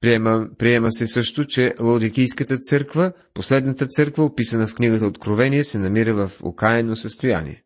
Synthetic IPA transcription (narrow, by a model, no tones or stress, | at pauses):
ppɾiɛməsɛsɤʃt̪ot͡ʃɛlˠod̪ik̟ijskət̪ət̪sɤɾkvə | poslɛd̪nət̪ət̪sɤɾkvəopisənəfkniɡət̪əot̪kɾovɛnijəsɛnɐmiɾəvɐfʊ̰kajɛnosəst̪oja̰nḭɛ̰